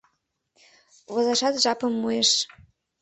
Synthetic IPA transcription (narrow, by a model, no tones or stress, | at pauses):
βŏzɑʃɑt̪ʒɑpɤ̆mːujeʃ